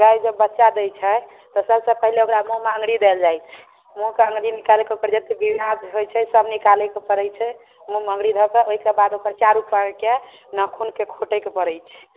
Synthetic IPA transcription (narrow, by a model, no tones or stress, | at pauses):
ɡajd͡ʒəbːətːʃad̪ɛt͡ʃʰɛ | t̪ɔsəbsəpəɦileokɾamuɦmeə̃ŋɡɽid̪eld͡ʒajt͡ʃʰɛ̥ | mukeə̃ŋɡɽinikalekeokəɾd͡ʒət̪ebiad͡ʒɦojt͡ʃʰɛsəbnikalɛkepəɾɛjt͡ʃʰɛ | mumə̃ŋɡɽid̪ʱɔkeʔoɦikebad̪okəɾt͡ʃaɾupːake | nəkʰunkekʰoʈɛkepəɾɛjt͡ʃʰɛ̥